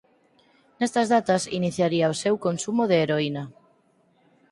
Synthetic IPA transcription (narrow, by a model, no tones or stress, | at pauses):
nest̪azðat̪ɐsiniθjaɾiaosewkonsumoðeːɾoina